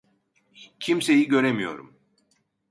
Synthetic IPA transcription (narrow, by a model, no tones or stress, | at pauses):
cʰimse̞jiɟø̞ɾemijo̞̰ɾum